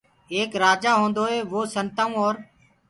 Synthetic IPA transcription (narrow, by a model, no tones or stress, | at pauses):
eːkɾaːd͡ʒaːɦõːnd̪oːɦeːʋoːsənt̪aːũːɔːɾ